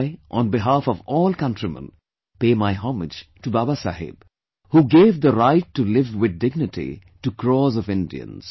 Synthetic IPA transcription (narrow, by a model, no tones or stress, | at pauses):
ɪʔə̃nbɪɦaːfɔvɔːlkʌ̃ntɾimə̰̃n | peːmaɪɦɔmɪd͡ʒtubabasa̰ɦɪ̰b̥̚ | huːɡeːvd̪əɾaɪʈːulɪvwɪd̪̚dɪɡ̚nɨtʰḭ | ʈukɾɔːzɔvɪ̃ndḭə̰̃nz̥